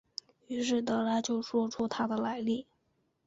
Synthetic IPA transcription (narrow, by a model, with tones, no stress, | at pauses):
y˧˥ʂ̬ɻ̩˥˩t̪ɤ˥ɻa˥t͡ɕjo˥˩ʊʂwɔ˥ʈ͡ʂʰu˥t̪ʰa˥d̪ə˨la˧˥ɪli˥˩